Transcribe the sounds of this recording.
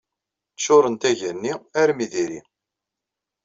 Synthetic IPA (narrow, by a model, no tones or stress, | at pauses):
ʃʊɾˤənt̪æʝənːiæɾmiðiɾḭ